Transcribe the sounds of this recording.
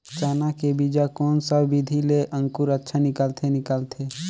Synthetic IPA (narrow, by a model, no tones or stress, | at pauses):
t͡ʃaːnakebid͡ʒakɔːnsəbbid̪ʱileʔə̃ŋkuɾətːʃʰanɪkəlt̪ʰenɪkəlt̪ʰe